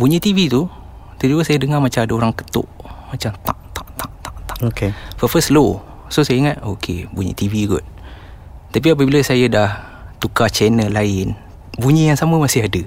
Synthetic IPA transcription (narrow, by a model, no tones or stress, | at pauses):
buɲə̃t̪ivit̪u | t̪əd͡ʒuəsajədəŋamat͡ʃamadəoɾaŋkə̥t̪ʊ̰ʔmat͡ʃamt̪aʔt̪aʔt̪aʔt̪aʔt̪aʔokefɔfəslo | sosajəiŋat̪̚okʰebuɲə̰t̪iviɡʊ̰t̪̚ | t̪ap̬iap̬əbiləsajədah | t̪ukat͡ʃɛnəlaɪn | buɲəjaŋsaməmasɪɦadə